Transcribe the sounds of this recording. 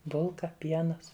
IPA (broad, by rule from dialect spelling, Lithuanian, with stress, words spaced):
ˈbʊlˠkɐ ˈpʲiɛnɐs